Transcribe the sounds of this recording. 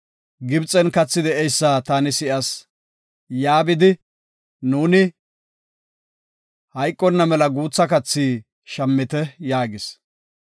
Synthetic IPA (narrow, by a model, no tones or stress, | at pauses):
ɡɪbt͡sʼːɛnkɐt͡sːɪd̪ɛʔɛjsːat̪aːnɪsɪʔɐs | jaːbɪd̪ɪ | nuːnɪ | hɐjkʼːɔnːɐmɛlɐɡuːt͡sːɐkɐt͡sːiː | ʃɐmːɪt̪ɛjaːɡɪs